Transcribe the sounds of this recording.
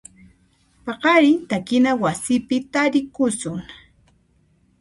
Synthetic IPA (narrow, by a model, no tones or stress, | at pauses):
pɑqɑɾɪt̪akɪnawasɪpɪt̪aɾɪkʊsʊŋ